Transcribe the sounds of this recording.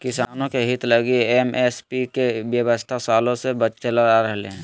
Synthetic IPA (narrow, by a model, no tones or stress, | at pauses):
kɪsaːnõkeɦɪt̪ləɡiemespikeʋjəʋəst̪ʰasaːlõsebət͡ʃt͡ʃelaaɾəɦleɦɛ̃ː